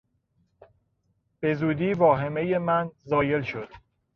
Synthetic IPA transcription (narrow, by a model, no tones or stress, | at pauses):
b̥e̞zuːd̪iːvɒːɦe̞me̞je̞mænzɒːje̞lʃod̪̥